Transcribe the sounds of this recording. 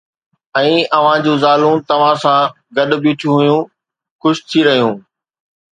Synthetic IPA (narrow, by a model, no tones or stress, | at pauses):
ɛ̃ːɐʋ̤ãd͡ʑũːzaːlũt̪ɐʋ̤ãsã | ɡɐɗbit͡ɕʰũɦʊjũ | xʊʃt̪ʰiɾɐɦijũː